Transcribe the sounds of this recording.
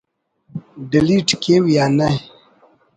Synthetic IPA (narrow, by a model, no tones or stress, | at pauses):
ɖiliʈkewjana